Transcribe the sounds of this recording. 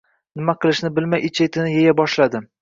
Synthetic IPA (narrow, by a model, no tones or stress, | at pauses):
nɪmaqʰɨlˠɪʃnɪbɪlmajɪt͡ʃʰet̪ʰɪnɪjejabɒʃlad̪ɪ